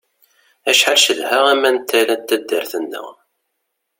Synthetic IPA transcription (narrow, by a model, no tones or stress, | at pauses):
æʃħalʃəðhæʁæmːænt̪ʰːælænt̪ːæd̪ːəɾθənːə̰ʁ